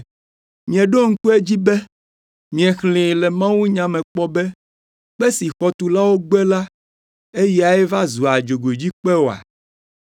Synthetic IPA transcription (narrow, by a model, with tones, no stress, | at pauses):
mĩ˨ɛ̃˨ɖo˦ŋ̩˦ku˦e˦d͡ʑi˦bɛ˦ | mĩ˨ɛ˨xlẽ˨lɛ˨mã˦wu˦ɲã˨mɛ̃˨k͡pɔ˦bɛ˦ | k͡pɛ˦si˨xɔ˦t̪u˨la˦wo˦ɡ͡bɛ˦la˦ | e˦jɛ˦a˨ɛ˦va˦zu˨a˨d͡ʒo˨ɡo˨d͡ʑi˦k͡pɛ˦wo˨a̰˨